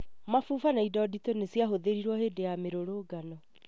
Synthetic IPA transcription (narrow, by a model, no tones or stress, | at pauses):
mafufanaidɔditonesiaɦoðeɾiɾwɔheːdejameɾoɾoɡanɔ